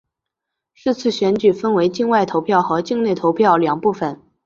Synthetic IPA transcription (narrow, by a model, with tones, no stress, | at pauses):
ʂɻ̩˥˧t͡sʰɹ̩˥˩ɕɥɛ˧˥nt͡ɕy˨˩fə˥nwe˧˥ɪt͡ɕi˥˧ŋwa˥˩ɪt̪ʰo˧˥ʊpʰjɑ˥˩ʊxɤ˧˥t͡ɕi˥˧ŋne˥˩ɪt̪ʰo˧˥ʊpʰjɑ˥˩ʊljɑ˨˩ŋpu˥˩fə˨˩n